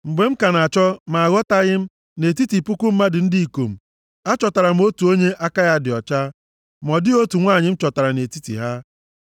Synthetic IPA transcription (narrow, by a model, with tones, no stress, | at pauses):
ŋ͡m̩˨ɡ͡be˨˦m̩˦ka˨na˨t͡ʃɔ˦ma˨a˨ɣɔ˦ta˦ɣɪ˦m̩˦ | ne˨ti˦ti˨pʊ˦kʊ˦m̩˦ma˦dɪ˨n̩˦di˦i˨ko˨m̩˨ | a˦t͡ʃɔ˨ta˨ɾa˨m̩˦o˦tu˨o˦ɲe˦ʔa˦ka˦ja˦dɪ˨ɔ˨t͡ʃa˦ | mɔ˨dɪ˦o˦tu˨ŋʷaː˦˨ɲɪ˨m̩˦t͡ʃɔ˨ta˨ɾa˨ne˨ti˦tḭ˨ɦa˦